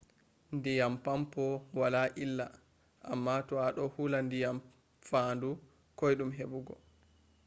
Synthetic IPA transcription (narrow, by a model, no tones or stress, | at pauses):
ndijampampɔwalaʔilːa | ʔa̰mːatɔaɗɔhulandijam | fandu | kɔjɗumɦebuɡɔ̰